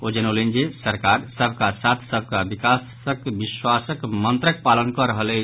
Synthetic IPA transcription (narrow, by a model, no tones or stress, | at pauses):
od͡ʒənolend͡ʒesəɾkaɾsəbʱkasat̪ʰsəbʱkabikas | əkbiswasəkmənt̪ɾək̚palənkəɾəɦəlɛ